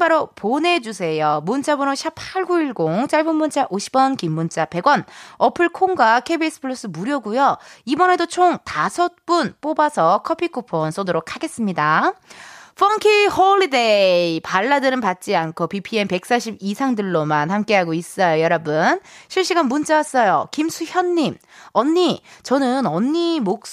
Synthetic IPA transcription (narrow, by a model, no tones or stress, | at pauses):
baɾopone̞d͡ʑusʰe̞jomunt͡ɕ͈ʰabonoɕʰipʰaɭɡuiɭɡoŋt͡ɕ͈aɭbunmunt͡ɕ͈aʔoɕʰi̥bwʌnkimːunt͡ɕ͈ape̞ɡwʌnʌpʰɯɭkʰoŋɡwakʰebies͈ɯ̥pʰɯɭus͈ɯmuɾjʌɡujoibʌne̞dot͡ɕʰoŋtasʰʌt̚p͈unp͈obasʰʌkʰʌpʰikʰupʰonsʰodoɾokʰaɡe̞s͈ɯmɲida | fʰʌŋkʰihoɭːide̞ipaɭːadɯɾɯnpat̚t͡ɕ͈iankʰopipʰie̞npe̞k̚s͈aɕʰibisʰaŋdɯɭːomanhamk͈e̞ɦaɡois͈ʌjojʌɾʌbɯnɕʰiɭɕ͈iɡanmunt͡ɕ͈awas͈ʌjo̰kimsʰuçjʌnːimʌɲːit͡ɕʌnɯnʌɲːimok̚